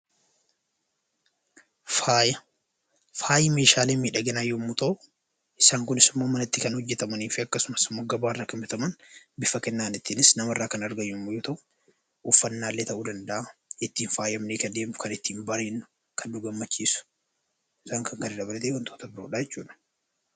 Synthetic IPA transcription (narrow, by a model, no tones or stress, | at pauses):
faːjɐ | faːjɪme̞ːʃaːleːmiːᶑɐɡɛnɐjːʊmːʊt̪ɐʔʊ | ʔɪsaːŋkʊnɪsɪmːoːmɐnɪt̪ːɪkɐnhɔd͡ʒːɛt̪ɐmɐniːfɪɐkːɐsʊmɐsɪmːoːɡɐbaːɪrːɐkɐmbɪt̪ɐmɐnbɪfɐkɛnːaːnɪt̪ːiːnɪsnɐmɪrːaːkɐnɐɾɡɐjːʊmːʊjoːt̪ɐʔʊ̥ | ʊfːɐnːaːlːet̪ɐʔuːd̪ɐnd̪ɐʔaɪt̪ːiːnfaːjɐmneːkɐd̪e̞ːmt̪ʊ̥kɐnɪt̪ːiːnbɐɾeːnːʊ̥ | kɐnd̪uɡɐmːɐt͡ʃːiːsʊ̥ | ɪsaːŋkɐŋkɐnɪd̪ɐbɐlɐt̪ewɐnt̪ʰoːt̪ɐbɪɾoːᶑajɛt͡ʃːṵːᶑɐ̥